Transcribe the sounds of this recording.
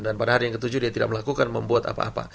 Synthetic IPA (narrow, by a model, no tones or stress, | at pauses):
danpadaɦaɾijaŋkət̪ud͡ʒʊdiat̪ida̰ʔk̚məlakukanməmbuat̪a̰pa̰ːpa̰